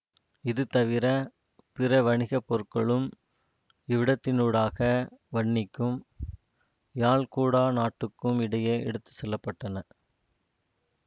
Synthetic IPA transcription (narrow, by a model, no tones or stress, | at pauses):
ɪðɯt̪ɐʋɪɾɐ | pɪɾɐʋɐɳɪɣɐpːɔɾɯkːɐɭɯm | ɪʋɪɽɐt̪ːɪnuːɽaːɣɐʋɐɳːɪkːɯm | jaːɭkuːɽaːnaːʈːɯkːɯmɪɽɐjeːɛ̰ɽɯt̪ːɯ̥sɛlːɐpːɐʈːɐnɐ